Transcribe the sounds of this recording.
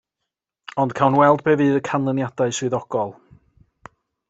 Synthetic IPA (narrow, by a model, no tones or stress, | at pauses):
ɔnd̥kʰawnwɛlˠd̚bɛvɨːðəkʰanlˠənjad̥aɨswɨðɔɡ̥ɔlˠ